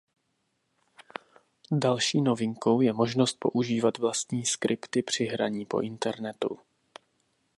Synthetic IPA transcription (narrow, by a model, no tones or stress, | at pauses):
dalʃiːno̞vɪŋko̞wjɛmo̞ʒnost̪̚po̞̰ʔuʒiːvat̪vlast̪ɲiːskɾʔɪpt̪ɪpr̝̥ɪɦɾaɲiːpo̞̰ʔɪnt̪ɛɾnɛt̪ṵ